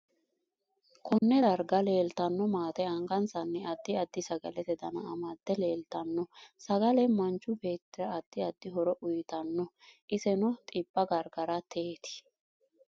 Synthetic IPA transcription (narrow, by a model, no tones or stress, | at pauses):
kʰɔnːɛɐɾɡɐle̞ːlt̪ɐnːɔmaːt̪ɛɐŋɡɐnsɐnːɛɐd̪ːɪɐd̪ːɪsɐɡɐlɛt̪ɛd̪ɐnɐʔɐmɐd̪̥ːɛleːlt̪ɐnːɔsɐɡɐlɛmɐnt͡ʃːʊbe̞ːt̪ːɪɾɐːd̪̥ːɪɐd̪ːɪɦɔɾɔʔʊjt̪ɐnːɔ | ʔɪsɛnʊt̪ʼɪbːɐɡɐɾɡɐɾɐt̪ʰeːt̪ɪ̥